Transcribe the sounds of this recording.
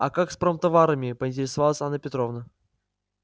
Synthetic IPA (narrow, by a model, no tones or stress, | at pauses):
ɐ̰kakspɾomt̪ɐvaɾəmʲɪpəɪnʲtʲɪɾʲɪsɐvalˠəsʲanːəpʲɪt̪ɾovnə